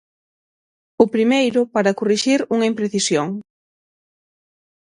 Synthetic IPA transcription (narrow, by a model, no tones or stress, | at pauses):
ʊpɾimejɾʊpaɾɐkuriʃiɾuŋɐimpɾeθisjoŋ